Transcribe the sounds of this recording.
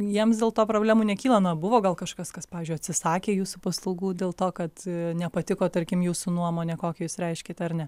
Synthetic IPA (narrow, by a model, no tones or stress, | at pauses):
jiɛmsd̪ʲeːlˠt̪oːpɾoːbʲlʲæːmuːnʲɛkʲiːlˠɐnʊɐbʊʋoːɡɐlˠkɐʃkɐskɐspɑːʋʲezʲd͡ʒʲʊɪɐtʲsʲɪsɑːkʲeːjuːsupɐslˠɐʊɡuːdʲeːlˠt̪oːkɐt̪nʲɛpɐt̪ʲɪkoːt̪ɐɾʲkʲɪmjuːsunuɔmoːnʲɛkoːkʲɛjuːsɾʲɛɪʃʲkʲeːt̪ʲɛɐrnʲɛ